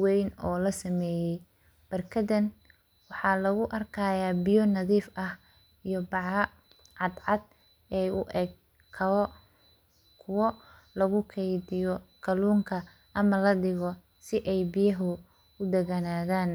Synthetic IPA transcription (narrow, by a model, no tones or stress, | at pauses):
wɛjnɔːlɐsɐmɛːjɛj | b̥ɐrkʰɐdɐn | wɑħɑːlɐɣʊʔɐrkʰaːjaːbɪjɔnɐðiːfʔɐh | ijɔbɑʕɑ | ʕɑd̪ʕɑd̪̚ | ɛjʊʔɛɡ | kʰ | kʰʊwɔ | lɐɣʊkʰɛjdɪjɔkʰɐluːŋkʰɐ | ʔɐmɐlɐɖɪɣɔ | sɪʔɛjbɪjɐɦʊ | ʊd̪ɐɣɐnaːðaːn